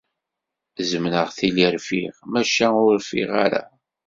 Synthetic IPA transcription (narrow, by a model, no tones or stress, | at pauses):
zəmnəʁθiliɾfiʁmæʃæʊɾfḭʁa̰ɾa̰